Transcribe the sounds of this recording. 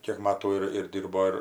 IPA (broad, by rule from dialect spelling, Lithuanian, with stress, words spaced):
ˈkʲiɛk ˈmɑːtuː ɪr ˈdʲiːrboː ɪr